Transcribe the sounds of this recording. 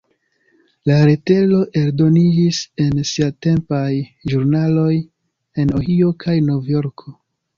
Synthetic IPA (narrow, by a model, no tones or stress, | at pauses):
laɾete̞lo̞ʔe̞ɾdo̞nid͡ʒise̞nsiate̞mpajʒuɾnalo̞j | e̞nohio̞kʰajno̞vjo̞ɾkʰo̞